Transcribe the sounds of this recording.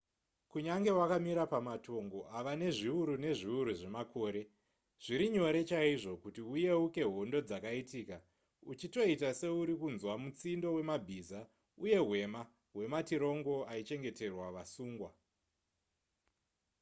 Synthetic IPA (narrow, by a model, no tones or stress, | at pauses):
kuɲaŋɡe̞wakamiɾapamato̞ŋɡo̞ʔaʋane̞ʐiuɾune̞ʐiuɾuʐe̞mako̞ːɾe̞ | ʐ̥iɾiɲo̞ɾe̞t͡ʃaiʐo̞kutiuje̞uke̞ɦo̞ndo̞d͡zakaitiːka | ut͡ʃito̞itase̞uɾikunzwamut͡sindo̞we̞mabʱiza | uje̞ɦwe̞ma | ɦwe̞matiɾo̞ŋɡo̞ait͡ʃe̞ŋɡe̞te̞rwaʋasuːŋɡwa